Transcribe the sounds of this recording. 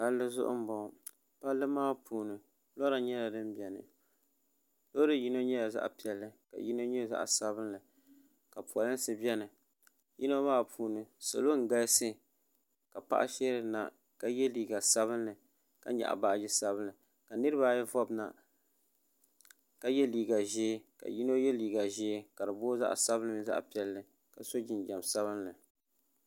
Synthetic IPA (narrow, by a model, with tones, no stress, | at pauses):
ta˦lːɨ˦zʊ̰˦ʔʊ̰˦m˦bɔ˨ | pa˦lːɨ˦maː˦pʰuː˨nɨ˨ | lɔ˦ɾa˨ɲɛ˦la˨dɨ˦m˦bɛ˨nɨ̰˨ | lo˦dɨ˦ji˦no˦ɲɛ˦la˨za̰˦ʔpi˨ɛ˨lːɨ˦ka̰˨ji˦no˦ɲɛ˦za̰˦ʔsa˦bɨ˦nlɨ˨ | ka˨pu˨ɔ˨lɨ˦n˦sɨ˦bɛ˦nɨ˨ | ji˦no˦maː˦˨pʰuː˨nɨ˨so̰˨lo˦ŋ̩˨ɡa˦jsɨ˦ | ka˨pa̰˦ʔa̰˦ʃɛ˦ɾɨ˨na̰˨ | ka˦jɛ˦liː˨ɡa˨sa˦βɨ˦nlɨ˨ | ka̰˦ɲa̰˨ʔa̰˨ba˨d͡ʒi˦sa˦bɨ˦nɨ˨ | ka˨nɨ˦ɾɨ˦ba˦˨jɛ˦vɔ˦bna̰˨ | ka˦jɛ˦liː˨ɡa˨ʒeː˦ka̰˨ji˦no˦jɛ˦liː˨ɡa˨ʒeː˦ka˨ɾɨ˨bo˦za̰˦ʔsa˦bɨ˦nɨ˦m˦za̰˦ʔpi˨˦ɛ˦lːɨ˨ | ka˨so˦d͡ʒɪ˨n˨d͡ʒa˨msa˦βɨ˦nlɨ˨